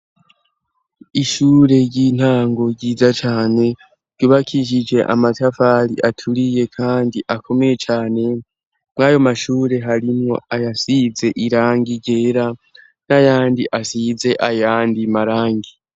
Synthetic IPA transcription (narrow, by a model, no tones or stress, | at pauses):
iʃuːɾe̞ɾɟin̥haːŋɡo̞ɾɟiːzat͡ʃaːne̞ | ɾɟuːβakʰiʃ̬id͡ʒe̞ʔa̰matafaɾḭʔatʰuɾije̞kʰaːndiʔakʰo̞me̞je̞t͡ʃaːne̞ | mŋaːjo̞maʃuːɾe̞ɦaɾimŋo̞̰ajasize̞ʔiɾaːŋɡiɟe̞ːɾa | najaːndiʔasize̞ʔajaːndimaɾaːŋɡi